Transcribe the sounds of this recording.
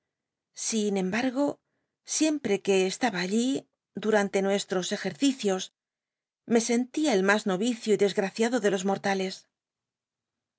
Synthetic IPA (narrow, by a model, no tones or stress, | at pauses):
sinẽ̞mbaɾɣo̞ | sje̞mpɾe̞ke̞ːst̪aβaːʎi | d̪uɾant̪e̞nwe̞st̪ɾo̞se̞xe̞ɾθiθjo̞s | me̞se̞nt̪iaelmazno̞βiθjoiðe̞zɣɾaθjaðo̞ðe̞lo̞zmo̞ɾt̪ale̞s